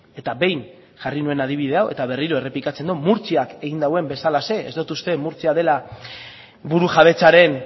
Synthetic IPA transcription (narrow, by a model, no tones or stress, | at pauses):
e̞t̪abe̞jn | ʝarinue̞nað̞iβ̞iðe̞awʔe̞t̪aβ̞e̞riɾo̞e̞re̞plikat͡se̞nd̪omuɾt͡siake̞ɣ̞ind̪awe̞mbe̞salase̞ezd̪ot̪ust̪e̞muɾt͡siaðe̞la | buɾuʝaβ̞e̞t͡saɾe̞n